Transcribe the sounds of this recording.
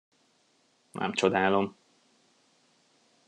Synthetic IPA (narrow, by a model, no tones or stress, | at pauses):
nʔɛ̰mt͡ʃod̪aːlo̞m